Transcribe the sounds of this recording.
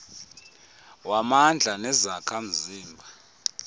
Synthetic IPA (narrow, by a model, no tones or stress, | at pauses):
wamand͡ɮʱanɛzakʰam̩ziːmbʱa